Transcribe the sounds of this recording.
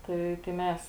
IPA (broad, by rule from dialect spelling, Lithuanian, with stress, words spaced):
ˈtɐɪ tɐɪ ˈmʲɛs